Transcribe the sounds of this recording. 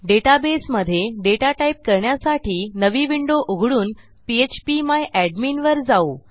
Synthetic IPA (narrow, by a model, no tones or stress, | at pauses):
ɖeʈabesməd̪ʱːjeɖeʈaʈaip̚kəɾɳjasaʈʰiːnəʋiʋiɳɖoʔoɡʱɽuːn | piet͡ɕpimajʔæɖmiːnʋəɾd͡zau